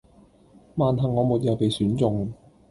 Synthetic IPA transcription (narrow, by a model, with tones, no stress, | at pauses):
maː˨nɦɐ˨ŋːɔː˨˧muː˨t̚jɐ˨˧wpe˨jsyː˨˥nt͡sʊ˨˧ŋ